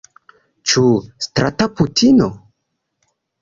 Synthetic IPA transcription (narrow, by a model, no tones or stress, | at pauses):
t͡ʃustɾataputʰino